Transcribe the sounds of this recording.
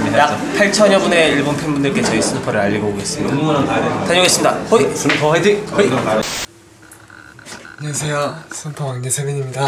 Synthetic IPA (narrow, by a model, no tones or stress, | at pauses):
jak | pʰaɭt͡ɕʰʌɲʌbune̞iɭbonpʰenbundɯɭk͈e̞t͡ɕʌis͈ʰunupʰʌɾɯɭaʎːiɡʌoɡe̞s͈ɯmɲidataɲʌɡes͈ɯmɲidahoisunpʰʌɦedioi | ɲesʰejʌsʰɯnpʰoŋɲesʰeɡeɲimɲida